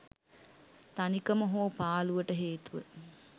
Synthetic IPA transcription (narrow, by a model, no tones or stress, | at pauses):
t̪anikəməɦoːpaːluʋəʈəɦeːt̪uʋə̰